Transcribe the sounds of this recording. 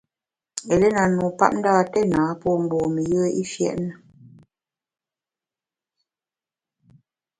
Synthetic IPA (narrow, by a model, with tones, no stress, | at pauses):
ɛ˨lə˦na˨nu˨pa̰˦p̚n̩˦daː˦˨tɛ˦naː˨˦pɔ˦˨m̩˨bɔː˨mə˨jə˦i˦fjɛ̰˦˨ʔnə˨